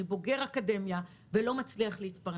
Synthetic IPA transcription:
ibo̞ɡe̞ʁakade̞mja | velo̞mat͡sliaχleit̪paʁ

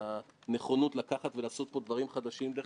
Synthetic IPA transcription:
aneχonut̪lakaχat̪velaːso̞t̪̚po̞d̪vaʁimχad̪aʃimd̪e

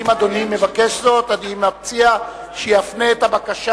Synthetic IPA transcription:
imad̪o̞nimːe̞vakeʃzo̞t̪ad̪imap̚t͡sia | ʃejafneːt̪abakaʃ

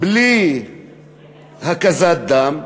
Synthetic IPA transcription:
bli | ɦɐkɐzat̪̚d̪am

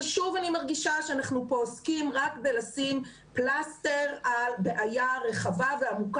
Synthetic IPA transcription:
ʃuvanimaʁɡiʃaʃeanaχnupoːskimʁak̚kdejlasim | plasteʁalbeʔajaʁe̞χavaveamuk

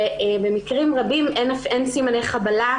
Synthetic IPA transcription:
eebe̞mikʁimʁabimʔenafensimanejχabala

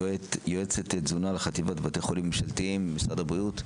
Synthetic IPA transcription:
joet͡set̪etzunaleχat̪ivat̪bat̪ejχolimːeʃaltiimːisʁadabʁijut̪

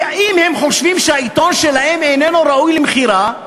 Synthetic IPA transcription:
aimhemχo̞ʃvimʃeait̪o̞nʃelahe̞mejnenuɾaujlemχiɾa

